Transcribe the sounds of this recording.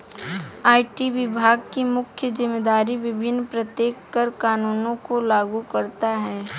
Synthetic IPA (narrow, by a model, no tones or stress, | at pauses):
aːʈiʋɪbʱaːɡ̚kimʊkʰjəzɪmːed̪aːɾiʋɪbʱɪnːpɾɐt̪jeːkːɐɾkaːnuːnõkolaːɡukɐɾt̪aɦɛː